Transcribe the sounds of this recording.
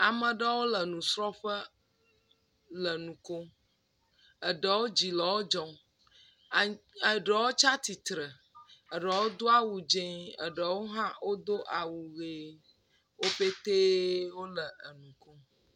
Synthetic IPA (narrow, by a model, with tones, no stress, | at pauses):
a˨mə̃˨ɖə˦wo˦lə˨nũ˨sɾɔ˦ɸə˦ | lə˨nũ˨ko˦ | ə˨ɖə˨wo˦d͡ʑi˨lə˨wo˦d͡ʒɔ̃˨ | ɖə˨wo˦t͡ʃa˦t̪i˨t̪ɾə˨ | ə˨ɖə˨wo˦d̪o˦a˦wu˨d͡ʒẽ˦ə̰˨ɖə˨wo˦ɦã˦wo˦d̪o˦ʔa˨wu˨ɣe˦ | wo˦ɸe˦t̪e˦wo˦lə˨ʔə˨nũ˨ko˦